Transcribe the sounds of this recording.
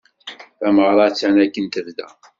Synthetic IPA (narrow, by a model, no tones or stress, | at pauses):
æməʁɾˤɑt͡sːænækːənt̪əvd̪æ̰